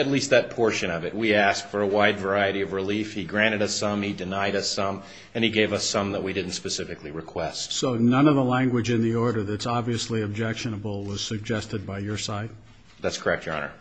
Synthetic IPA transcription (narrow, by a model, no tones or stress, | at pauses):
ɨtˡlist̪̚ðɨt̚pʰɔɹʃɨ̃ñʌvɨt̚wiæsk̚fə˞əwaɪdvə˞aɪɨɾiʌvɹɨlifhiɡɹæ̃ɾ̃ɨɾʌsʌ̃midɨnaɪɾʌsʌ̃m | ɨ̃niɡeɪvʌsʌ̃mðət̚widɪdⁿn̩tspɨsɪfɨkliɹɨkʰw̥ɛstsoʊnʌ̃nʌvðəlæ̃ŋɡwɨd͡ʒɨ̃nðiɔɹɾə˞ðɨtsɑbviɨsliɨb̚d͡ʒɛkʃɨ̃nəbl̩ˠwʌz̥sɨɡ̚d͡ʒɛstɨd̚baɪjə˞saɪt̚ | ðætskʰə˞ɛk̚t̚ɑ̰̃nə̰˞